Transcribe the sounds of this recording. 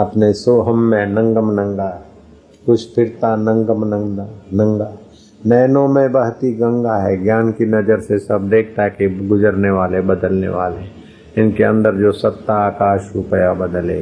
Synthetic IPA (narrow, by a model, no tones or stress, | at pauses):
ɐpnesoːɦəmːẽnə̃ŋɡəmnə̃ŋɡaɦɛ | kʊt͡ʃʰpʰɪɾt̪anə̃ŋɡəmnə̃ŋd̪anə̃ŋɡa | nɛːnõmẽbəɦt̪iɡə̃ŋɡaɦɛɡjaːnkinɐd͡ʒəɾsesɐb̚d̪eːk̚ʰt̪aɦɛkiɡʊd͡ʒəɾneʋaːlebəd̪əlnḛʋaːle | ɪnkeə̰̃nd̪əɾd͡ʒoːsɐt̪ːaːkaːʃupəjabəd̪əlḛː